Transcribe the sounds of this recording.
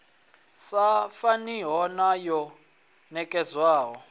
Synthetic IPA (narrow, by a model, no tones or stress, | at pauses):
safaniɦɔnajɔ | nɛkʼɛzwaːɦɔ